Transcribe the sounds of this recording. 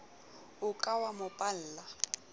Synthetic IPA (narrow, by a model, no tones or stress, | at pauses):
ʊkʼawamʊpʼal̩ːla